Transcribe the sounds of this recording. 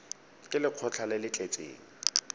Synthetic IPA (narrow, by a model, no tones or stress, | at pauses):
kʼɪlɪq͡χʰɔt͡ɬʰalɪlɪt͡ɬʼet͡sʼḛːŋ̩